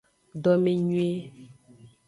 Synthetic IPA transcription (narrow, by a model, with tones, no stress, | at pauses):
ɖɔ˦mẽ˦ɲũ˦e˦